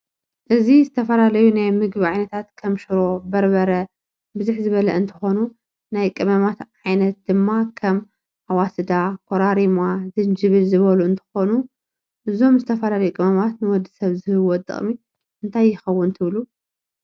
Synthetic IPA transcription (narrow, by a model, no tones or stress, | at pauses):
ʔɨzizɨt̪ʰɐfɐlalɐjunajmɨɡβiʕajnɐt̪ʰat̪kʰɐmʃɨɾo̞bɐɾbɐɾɐ | bɨzuħzɨβɐlɐʔɨnt̪ʰɨ̥xo̞nu | najkʼɨmɐmat̪ʕajnɐt̪̚d̪̥ɨmːakʰɐm | ʔawasɨd̪akʰoɾaɾimazɨnd͡ʒɨβɨlzɨβɐluɨnt̪ʰɨ̥xo̞nu | ʔɨzo̞mzɨt̪ʰɐfɐlalɐjukʼɨmɐmat̪nɨwɔd̪ːɨsɐβzɨhɨwɔt̪ʼːɨ̰χʼmi | ʔɨnt̪ʰajːɪxɐwːʊnt̪ʰɨβlu